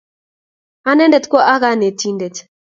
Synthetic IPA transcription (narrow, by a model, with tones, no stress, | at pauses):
a˦nɛ˦ndɛ˨t̪kɔ˦ʔa˦ɣa˦ne˨ti˦nde˨t